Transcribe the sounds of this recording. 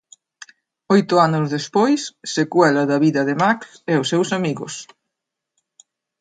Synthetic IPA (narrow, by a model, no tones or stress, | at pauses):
ojt̪ʊanʊzðespojsːekwɛlɐðɐβiðɐðɪmaksɛʊsːɛwsamiɣʊ̰s